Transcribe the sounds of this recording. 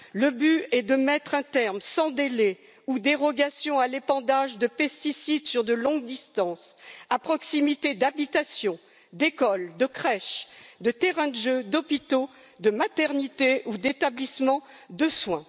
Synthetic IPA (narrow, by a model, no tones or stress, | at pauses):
ləbyɛd̪əmɛt̪χɛ̃t̪ɛʁmsɑ̃d̪ele | ud̪eʁɔɡasjɔ̃alepɑ̃d̪aʒd̪əpɛst̪isid̪syʁd̪əlɔ̃ɡd̪ist̪ɑ̃sapχɔksimit̪ed̪abit̪asjɔ̃ | d̪ekɔld̪əkχɛʃd̪ət̪ɛʁɛ̃d̪əʒød̪ɔpit̪o | d̪əmat̪ɛʁnit̪eud̪et̪ablismɑ̃ | d̪əswɛ̃